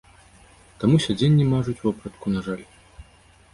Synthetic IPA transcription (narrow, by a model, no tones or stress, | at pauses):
t̪amusʲad͡zʲenʲːimaʐut͡sʲwapɾɐt̪kunaʐalʲ